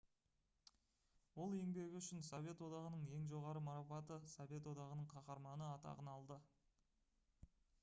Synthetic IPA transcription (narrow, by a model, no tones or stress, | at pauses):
wo̞lˠe̞ŋbe̞ɡʲɪʏʃɪnsove̞t̪wo̞d̪ɑʁənəɴe̞ŋʒo̞ʁɑɾəmɑɾɑpɑt̪əsove̞t̪wo̞d̪ɑʁənəɴqʰɑqɑɾmɑnəɑt̪ɑ̰ʁənɑlˠd̪ə